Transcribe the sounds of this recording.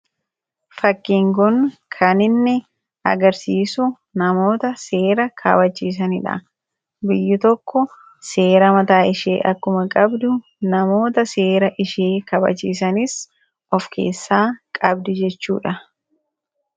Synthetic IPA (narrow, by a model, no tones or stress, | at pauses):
fɐkːiːŋkʊnkʰɐnɪnːɪ | ɐ̰ɡɐɾsiːsʊ | nɐmo̞ːt̪ɐseːɾɐkʰɐ̰bɐt͡ʃːiːs̬ɐnɪᶑɐ̰ | bɪjːɪt̪ɔkːɔ | seːɾɐmɐt̪aːɪʃḛːʔɐkːʊmɐkʼɐbd̪ʊ | nɐmo̞ːt̪ɐseːɾɐʔɪʃeːkɐbɐ̰t͡ʃːiːs̬ɐnɪs | ʔɔfkʰe̞̰ːsːaːkʼɐbd̪ɪd͡ʒɛt͡ʃːuːᶑɐ